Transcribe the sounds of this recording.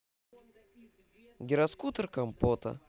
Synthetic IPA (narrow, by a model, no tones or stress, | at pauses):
ɡʲɪɾɐskut̪ərkɐmpot̪ɐ̰